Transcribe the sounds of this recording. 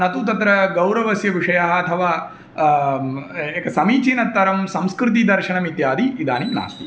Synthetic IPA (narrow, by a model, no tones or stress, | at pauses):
nɐt̪ut̪ɐt̪ɾɐɡɐwɾɐʋɐsjɐʋiʂɐjaɦɐɐt̪ʰɐʋaː | eːkɐsɐmiːt͡ʃiːnɐt̪ːɐɾɐmsɐmskɾɪt̪̬id̪ɐɾʃɐɳɐmit̪jaːd̪iːd̪aːnimna̰ːst̪i